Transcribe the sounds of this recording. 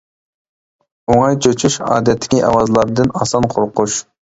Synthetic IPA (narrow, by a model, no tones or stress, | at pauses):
oŋɑjt͡ʃʰøt͡ʃʰuʃɑ̰ːd̪ɛt̪ʰːɪ̥kʲiʔɑ̰wɑzlˠɑɾd̪ɨnɑsɑnqʰoɾqʊʃ